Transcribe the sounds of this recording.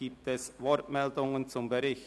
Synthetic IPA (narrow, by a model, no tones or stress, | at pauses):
iːp̚tɛsvɔɾtmɛldʊŋənt͡sʊmbəɾɪç